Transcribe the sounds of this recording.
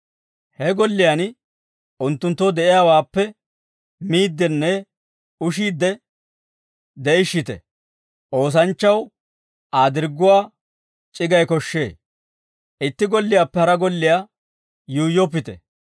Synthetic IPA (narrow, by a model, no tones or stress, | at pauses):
hɛɡɔlːɪjan | ʔʊnt̪ːʊnt̪ːɔd̪ɛʔɪjaːwaːpːɛ | miːd̪ːɛnːɛ | ʊʃiːd̪ːɛ | d̪ɛʔɪʃːɪt̪ɛ̰ | ʔo̞ːs̬ɐnt͡ʃːɐw | ʔaːd̪ɪɾɡːʊwaː | t͡ʃʼɪɡɐjkɔʃːḛː | ʔɪt̪ːɪɡɔlːɪjaːpːɛhɐɾɐɡɔlːɪjaː | juːjːɔpːɪt̪ɛ̰